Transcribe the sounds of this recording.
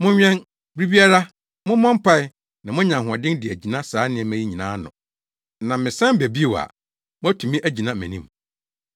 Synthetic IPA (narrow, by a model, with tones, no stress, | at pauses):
mʊ̃˦ɲᶣɛ̃˦n | bɾi˦bi˦a˦ɾa˦ | mʊ̃˦mɔ̃˦m˦pʰa˦ɪ˦ | nã˨mʊ̃˦ɲã˨ɦʊ˨a˨dɪ̃˦ndɪ˨æ˨d͡ʑi˨nã˦saː˨˦nɪ̃˦ɛ˨mæ̃˦ji˦ɲĩ˨nãː˦nʊ̃˨ | nã˨mɪ̃˨sɛ̃˦bæ˨bi˦e˦˨wa̰˨ | mʊ̃˦æ˦tʰu˨mĩ˦ʔæ˦d͡ʑi˨nã˦mæ̰̃˨nĩ˦m